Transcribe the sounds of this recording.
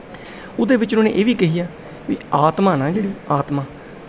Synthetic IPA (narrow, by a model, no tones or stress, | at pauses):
ʊd̪eːʋɪt͡ʃʊnõːnḛ̃ːʔeːʋiːkɪɦijaː | ʋḭːaːt̪maːnãːd͡ʒeːɽiːaːt̪maː